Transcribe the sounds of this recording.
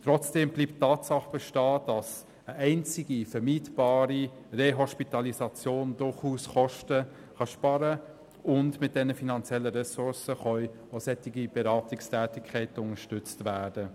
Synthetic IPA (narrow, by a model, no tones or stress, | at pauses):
tɾɔt͡sd̥eːmbliːpttːɑːtsɑχb̥ɛʃtɑːd̥ɑs | əʔɛɪnt͡sɪɡifəɾmiːtb̥ɑːɾi | reɦɔʃpitɑlisɑt͡sjoːnd̥ʊɾχuːsχɔʃtə | χɑʃpɑɾə | ʔʊndmɪt̚d̥ɛnəfinɑnt͡sjɛlːəɾɛsʊɾsəχœʏ | osɛtɪɡib̥ɛɾɑːtɪkstʰæːtɪkʰːɛɪtəʊŋəʃtʏt͡stvæːd̥ə